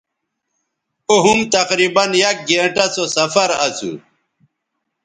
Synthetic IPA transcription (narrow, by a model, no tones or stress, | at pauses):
oɦumt̪ɐqɾibɐnjak̚ɡẽɳʈɐsosɐfɐɾɐsṵ